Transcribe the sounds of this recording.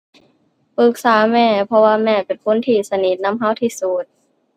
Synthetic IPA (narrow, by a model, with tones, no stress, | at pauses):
pɯ˨˦k̚saː˨˦mɛː˧˩pʰɔ˧waː˧mɛː˧˩pe˨˩nkʰo˧˥˨nt̪ʰiː˧˩sa˧ni˨˦t̪̚na˧˥˨mɦa˧˥˩wt̪ʰiː˧˩suː˨˩t̪̚